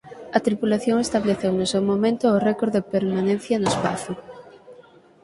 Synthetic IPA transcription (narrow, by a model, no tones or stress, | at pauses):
ɐt̪ɾipulaθjoŋest̪aβleθewnosewmomẽnt̪ʊorɛkoɾðepeɾmanẽnθjɐnoespaθʊ